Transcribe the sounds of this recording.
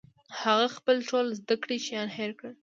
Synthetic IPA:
haɣaxpəlʈolzd̪akɽiʃjɑnheɾkə

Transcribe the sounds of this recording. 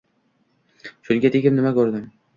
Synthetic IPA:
ʃʊnɡʲat̪ʰekʲɪmnɪmakʲɵɾd̪ɪm

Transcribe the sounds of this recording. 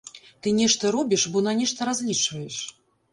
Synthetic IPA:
t̪ɨnʲɛʂt̪ɐɾɔbʲiʂbɔnanʲɛʂt̪ɐɾazʲlʲit͡ʂvɐjɛʂ

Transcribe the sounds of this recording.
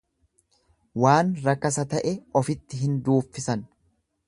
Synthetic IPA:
waːnɾɐkːɐs̬ɐt̪ɐʔɛɔfɪt̪ːɪɦɪnd̪uːfːɪsɐn

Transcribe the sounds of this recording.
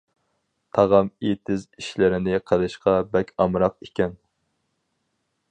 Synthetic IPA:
t̪ʰɑʁɑmet̪ʰɪziʃlɪɾɪnɪqʰəlˠɨʃqɑbɛkʲʰɑmɾɑqekʲɛn

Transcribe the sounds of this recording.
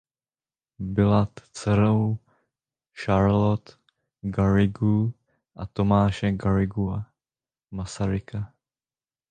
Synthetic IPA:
bɪlat̪t͡sɛɾow | ʃaɾlot̪ | ɡaɾɪɡu | ʔat̪omaːʃɛɡaɾɪɡua | masaɾɪka

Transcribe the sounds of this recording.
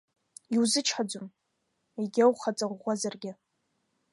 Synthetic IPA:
iwzɨt͡ʃʰħad͡ʒʊm | eɡʲawχat͡sʼaʁʷazarɡʲɪ

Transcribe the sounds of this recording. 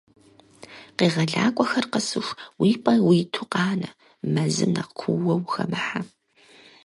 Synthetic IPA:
qeːʁɐɮa̰ːkʷʼɔxɐrqəsɨʂʷwiːpʼɐwiːtʰuqɑːnɐ | mɐzɨ̰mnɐqkʷʰʊwɐwxɐ̰mɨħa

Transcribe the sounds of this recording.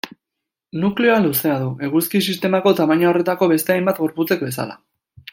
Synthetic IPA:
nukle̞oaluse̞aðuʔe̞ɣuskisist̪e̞mako̞t̪amaɲaore̞t̪ako̞βe̞st̪e̞ajmbat̪ɣo̞ɾput͡se̞k̚be̞sa̰la̰

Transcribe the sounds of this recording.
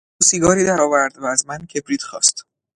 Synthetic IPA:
usiːɡɒːɾiːd̪æɾɒːvæɾd̪væːzmæncʰe̞bɾiːt̪xɒ̰ːst̪

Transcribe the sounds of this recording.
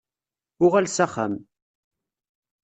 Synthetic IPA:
ʊʁælsæχæ̰m

